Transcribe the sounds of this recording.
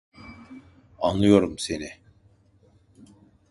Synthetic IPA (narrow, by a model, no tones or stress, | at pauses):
anlˠɯjo̞ɾumse̞ni